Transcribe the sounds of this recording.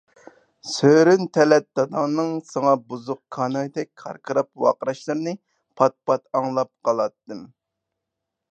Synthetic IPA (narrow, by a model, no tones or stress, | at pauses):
søɾynt̪ʰɛlɛt̪̚d̪̥ɑd̪ɑŋnɨŋsɑŋɑbuzʊqkʰɑːnɑd̪ɛk̚ʲkʰɑ̰ɾqʰəɾɑp̚wɑ̰qəɾɑʃlˠɨɾnɨ | pʰɑt̪̚pʰɑt̪ɑŋlˠɑp̚qʰɑlˠɑt̪ːɨm